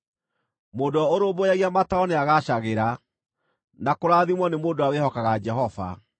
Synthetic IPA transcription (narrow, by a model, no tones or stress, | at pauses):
moːdoɔoɾoːβojaɣiamataɔneaɣaɕaɣeɾa | nakoɾaːðimwɔnemoːdoawehɔkaɣad͡ʒɛɦɔva̰